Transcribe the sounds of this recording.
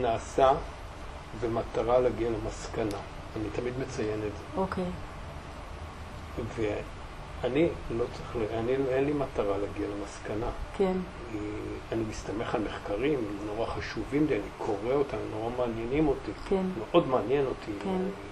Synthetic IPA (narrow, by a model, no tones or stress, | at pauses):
naːsa | bemataʁalaɡialemaskanaː | nitamid̪me̞t͡sajenetzeokej | ve | anilo̞t͡sʁiχleaniloenlimataʁalaɡialemaskanakʰen | ianimistame̞χalme̞χkaʁimmno̞ʁaχaʃuvimdeanikʰo̞ʁeo̞tamno̞ʁamaːnjenimo̞tikenmeʔo̞dmaːnjeno̞tʰike